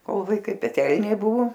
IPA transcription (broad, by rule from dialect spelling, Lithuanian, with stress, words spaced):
ˈkoːlˠ ʋɐɪˈkɐɪ pʲɛˈtʲɛlʲnʲeː ˈbʊʋoː